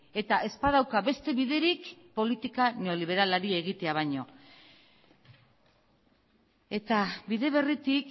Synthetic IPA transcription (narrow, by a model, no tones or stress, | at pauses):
e̞t̪aʔe̞spað̞awkabe̞st̪e̞βiðe̞ɾikpo̞lit̪ikaneo̞liβ̞e̞ɾalaɾie̞ɣ̞it̪e̞aβ̞ajɲo̞ | e̞t̪abiðe̞β̞e̞rit̪ik